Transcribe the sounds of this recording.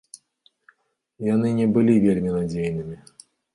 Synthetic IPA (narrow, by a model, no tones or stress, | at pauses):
janɨnʲɛbɨlʲivʲelʲmʲinad͡zʲejnɨmʲi